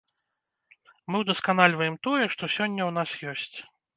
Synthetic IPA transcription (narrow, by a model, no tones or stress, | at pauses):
mɨwd̪ɐskanalʲvɐjɛmt̪ɔjɛʂt̪ɔsʲɔnʲːɐwn̪asjɔsʲt͡sʲ